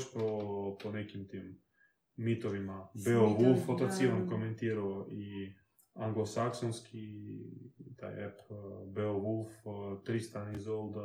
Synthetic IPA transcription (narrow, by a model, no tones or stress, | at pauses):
ʃpoponɛkimt̪imː | it̪ovimabɛoɣulˠfɔt̪at̪sivankomɛnt̪iɾɔi | aŋɡlˠosaksɔnskʰi | t̪a̰jɛ̰pbɛoɣulˠft̪ɾist̪anizold̪a